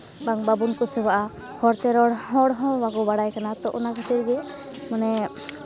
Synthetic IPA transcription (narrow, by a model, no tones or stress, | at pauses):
baŋbabunkusɛbaʔa | hɔɾt̪ɛɾɔɽhɔ̃ɽɦɔ̃waɡɔbaɽajkanat̪ɔʔṵnakʰat̪iɾɡɛ | manɛ